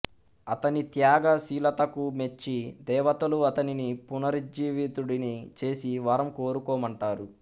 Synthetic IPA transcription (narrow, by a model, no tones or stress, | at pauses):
ɐt̪ɐnit̪jaːɡɐsiːlɐt̪ɐkumet͡ʃːid̪ɛːʋɐt̪ɐluɐt̪ɐninipunɐɾid͡ʒiːʋit̪uɽinit͡ʃe̞ːsiʋɐɾɐmko̞ːɾukoːmɐɳʈaːɾu